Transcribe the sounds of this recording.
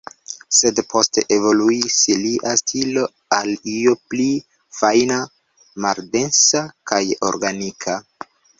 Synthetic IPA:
se̞dpʰo̞ste̞ʔevo̞luisiliʔastʰilo̞ | aliopli | fajna | malde̞nsakajo̞̰ɾɡanikʰa

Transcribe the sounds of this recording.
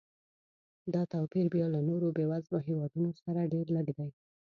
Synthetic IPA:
d̪ɑt̪awpiɾbjɑlanoɾobewazboɦewɑd̪unosaɾaɖeɾləɡd̪aj

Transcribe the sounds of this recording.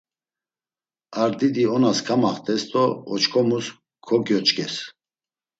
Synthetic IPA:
aɾd̪id̪iɔnaskʰamaχt̪ʰʼɛst̪ʼɔɔt͡ʃkʰɔmus | kʰɔkjɔt͡ʃʼkʼɛs

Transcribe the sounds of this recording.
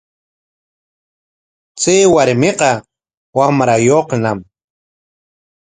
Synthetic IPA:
t͡sewaɾmeqa | wamɾajoqnam

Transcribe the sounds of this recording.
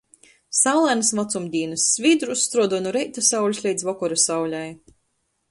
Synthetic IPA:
sawlˠanɨsmɔt̪sumd̪ʲiːnasːvʲid̪ɾusːt̪ɾuɔd̪ɔnuɾɛjt̪asawlʲuslʲɛjd̪zvɔkɔɾasawlʲaj

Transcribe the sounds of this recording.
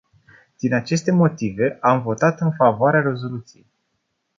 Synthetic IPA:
d̪̥inat͡ʃe̞st̪e̞mo̞t̪ive̞ʔamvo̞t̪at̪ɨnfavoaɾeaɾe̞zo̞lut̪sije̞̰j

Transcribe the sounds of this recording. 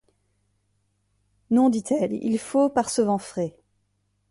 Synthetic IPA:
nɔ̃d̪it̪ʰɛlḭlfopaʁsəvɑ̃fχe

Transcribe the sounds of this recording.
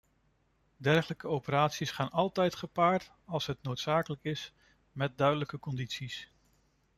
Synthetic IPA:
dɛrχələkəowpəɾaːtsisχaːnɑlˠtɛjtχəpaːɹt | ɑlˠsɦətnowtsaːkələkɪs | mɛt̚dœɥdələkəkɔnditsis

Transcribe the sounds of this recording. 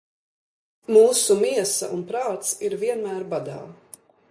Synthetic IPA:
muːsumiɛsɐ̰ʔunpɾaːt̪siɾviɛnmæːɾbad̪a̰ː

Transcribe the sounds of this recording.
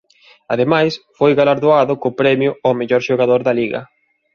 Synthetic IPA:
aðemajsfojɣalaɾðoaðʊkopɾɛmjʊɔmeʎɔɾʃoɣaðoɾðɐliɣɐ̰

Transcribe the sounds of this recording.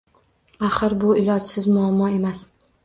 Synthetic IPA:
aχɨɾbʊɪlˠɒt͡ʃsɪzmʊamːɒe̞mas

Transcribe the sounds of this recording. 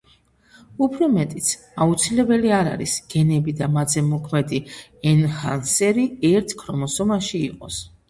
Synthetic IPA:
upʰɾɔmɛt̪ʼit̪sʰ | aut̪sʰilɛbɛliaɾa̰ɾḭsɡ̥ɛnɛbid̪amad̪zɛmɔkʰmɛd̪iɛnhansɛɾiɛɾt̪ʰkʰɾɔmɔsɔmaʃiːqʼɔs

